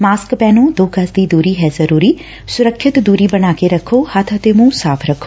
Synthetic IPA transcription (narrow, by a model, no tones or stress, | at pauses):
maːskpɛːnũːd̪oːkɐsd̪iːd̪uːɾiːɦɛːzɐɾuːɾiː | sʊɾəkʰʃɪt̪d̪uːɾiːbəɽ̃aːkeɾɐkʰːoːhɐt̪ʰət̪emũːsaːpʰɾɐkʰːo̥ː